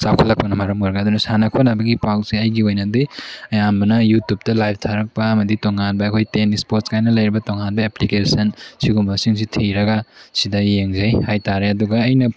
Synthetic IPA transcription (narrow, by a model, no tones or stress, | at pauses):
sawkʰɐlːɐk̚pɐnɐmaɾɐmoɾɐɡaɐdunɐsanɐkʰonabɐɡipawsiɐjɡiojnɐdiɐjambɐnɐjutup̚tɐlajp̚ʰtʰaɾɐk̚pɐɐmɐditoŋanbɐɐkʰojtenispoɾt̚skajnɐlɐjɾibɐtoŋanbɐeplikesɐnsiɡumbɐsiŋsitʰiɾɐɡɐsidɐjeŋzɐjhajtaɾeɐduɡɐːjnɐ